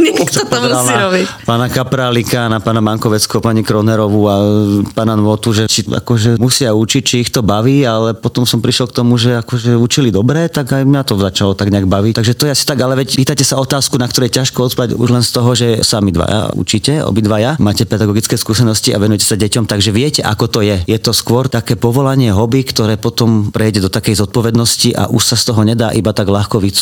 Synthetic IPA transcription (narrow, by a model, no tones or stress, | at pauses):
ɲɛkt̪ɔt̪usaɾɔbipaːnakapɾalikaːnapaːnamaŋkɔʋɛt͡skɔpaɲikɾɔnɛɾɔʋuapaːnanʋɔt̪uʒɛt͡ʃia̰kɔʒɛmusɪaut͡ʃic̚t͡ʃiixt̪ɔbaʋiːalɛpɔt̪ɔmsɔmpɾiʃlɔlkt̪ɔmuʒɛakɔʒɛut͡ʃilid̪ɔbɾɛːt̪aɡajmɲat̪ɔzat͡ʃalɔt̪aɡɲɛaɡbaʋict̪aɡʒɛt̪ɔjɛasi̥t̪aɡalɛʋɛcpiːt̪acɛsaɔt̪aːskunakt̪ɔɾujɛcaʃkɔɔt̪paɟṵʒlɛnst̪ɔɦɔʒɛsamid̪ʋa̰ja̰ṵt͡ʃicɛɔ̰bid̪ʋajamaːcɛpɛd̪aɡɔɡit͡skɛːskuːsɛnɔscia̰ʋɛnujɛcɛ̥saɟɛcɔmt̪aɡʒɛʋɪɛcɛʔa̰kɔt̪ɔjɛjɛt̪ɔskʋɔɾt̪akɛːpɔʋɔlaɲɪɛɦɔbikt̪ɔɾɛːpɔt̪ɔmpɾɛjɟɛd̪ɔt̪akɛjzɔt̪̚pɔʋɛd̪nɔsciʔa̰ʔuʃsast̪ɔɦɔɲɛd̪aːʔibat̪aɡlaxkɔʋit͡su